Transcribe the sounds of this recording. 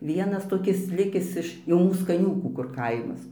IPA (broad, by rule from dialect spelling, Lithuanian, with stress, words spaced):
ˈʋʲiɛnɐs toːˈkʲɪs ˈlʲɪkʲɪs ɪʃ jɛʊ ˈmuːs kɐˈnʲuːkuː kʊr ˈkɐɪmɐs